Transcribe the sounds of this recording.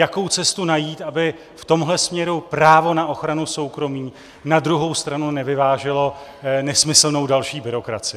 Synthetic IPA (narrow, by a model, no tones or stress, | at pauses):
jako̞wt͡sɛst̪unajiːt̪ʔabɪ | ft̪o̞mɦlɛsmɲɛɾupɾaːvo̞naʔo̞xɾanuso̞wkɾo̞miː | nadɾuɦo̞wst̪ɾanunɛvɪvaːʒɪlo̞nɛsmɪsl̩no̞wdalʃiːbɪɾo̞kɾa̰t͡sɪ